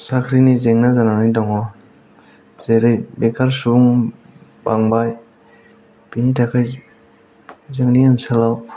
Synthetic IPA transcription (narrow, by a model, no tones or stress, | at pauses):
sakʰɾinizeŋnazananidaŋɔ | zeɾɯjbekʰaɾsuŋ | baŋbaj | pinitʰakʰaj | zeŋniansalaw